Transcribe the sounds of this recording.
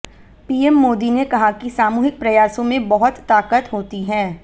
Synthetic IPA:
piːɛmːoːd̪inekɐɦakisaːmuːɦɪk̚pɾɐjaːsõmẽbɐɦʊt̪ːaːkət̪ɦoːt̪iɦɛ̃ː

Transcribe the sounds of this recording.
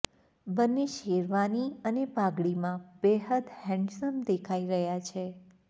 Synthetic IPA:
bənːeʃeɾʋaniənepaɡɭimãbɛɦəd̪hɛ̃ɳɖsəmd̪ekʰaiɾəɦjat͡ʃʰe

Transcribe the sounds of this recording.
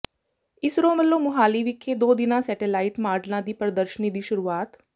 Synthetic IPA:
ɪsɾõməlːõmʊɦaːliʋɪkʰːed̪oːd̪ɪnãsɛːʈelaːɪʈmaːɾɖlãd̪iːpəɾəd̪əɾʃənid̪iːʃʊɾuːaːt̪

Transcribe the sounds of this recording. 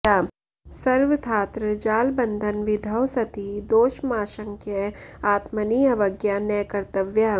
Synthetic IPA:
aː | sɐɾʋət̪ʰaːt̪ɾəd͡ʒaːlbɐ̃nd̪ʱənʋɪd̪ʱəwsɐt̪id̪oːʃmaːʃə̃ŋkʰjəaːt̪məniːɐʋɐɡjanɐjkɐɾt̪əʋja

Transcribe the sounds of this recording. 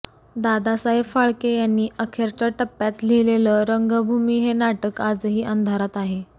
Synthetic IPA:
d̪ad̪asaɦebfaɭkejanːiːʔəkʰeɾt͡ɕaʈəpːjat̪leleləɾəŋɡəbʱumiːɦenaʈəkad͡zɦiːʔənd̪ʱaɾat̪aɦe

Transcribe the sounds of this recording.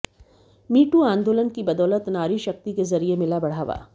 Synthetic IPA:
miːʈuãːnd̪oːlənkibɐd̪ɔːlət̪naːɾiʃɐk̚t̪ikezɐɾiemɪlabɐɽ̤aːʋa̰ː

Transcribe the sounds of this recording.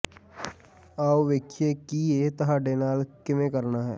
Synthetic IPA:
aːoʋɪkʰːjekiet̪ɐɦaɖenaːlkɪmẽkəɾnaɦɛ̰ː

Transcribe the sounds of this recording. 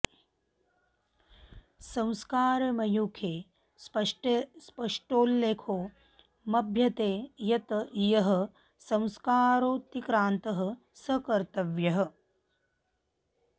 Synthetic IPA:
sɐ̃w̃skaːɾɐmɐjukʰeː | spɐʂʈespɐʂʈoːlːeːkʰoː | mɐbʱjɐt̪eːjɐt̪ɐʔjɐɦɐ̆ | sɐ̃w̃skaːɾoːt̪ikɾaːnt̪ɐɦɐ̆ | sɐkɐɾt̪ɐʋjɐɦɐ̆

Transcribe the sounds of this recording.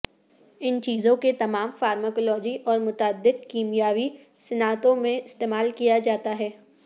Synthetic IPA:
ɪnt͡ʃiːzõket̪ɐmaːmfaːɾməkɔlɔːd͡ʒiʔɔːɾmʊt̪aːd̪ːɪq̚kiːmijaːʋi | sɪnaːt̪õmẽɪst̪eːmaːlkijad͡ʒaːt̪aɦɛː

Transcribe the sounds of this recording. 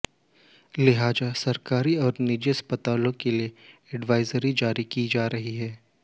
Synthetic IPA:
lɪɦaːd͡ʒasɐɾkaːɾiɔːɾnɪd͡ʒeɐspət̪aːlõkelieɛɖʋaːɪzəɾid͡ʒaːɾikid͡ʒaːɾɐɦiɦɛː

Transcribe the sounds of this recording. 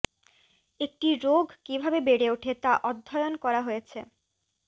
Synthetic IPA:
ek̚ʈiɾoɡkibʱabebeɽeuʈʰet̪aʔɔd̪ʱːɔjonkɔɾaɦojet͡ɕʰe

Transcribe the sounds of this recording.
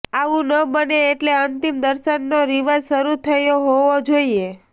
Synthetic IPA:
aʋũnəbəneːʈleənt̪imd̪əɾʃənːoɾiʋazʃəɾut̪ʰəjoɦoʋod͡ʒoie

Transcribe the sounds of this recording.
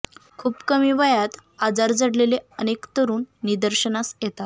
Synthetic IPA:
kʰuːpkəmiːʋəjat̪ad͡zaɾd͡zəɽleleənekt̪əɾuːnːid̪əɾɕənasjet̪at̪

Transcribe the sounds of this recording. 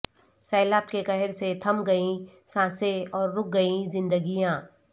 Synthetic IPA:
sɐːlaːbkekɐɦɪɾset̪ʰɐmɡɐĩsãːseɔːɾːʊk̚ɡɐĩzɪ̃nd̪əɡijãː

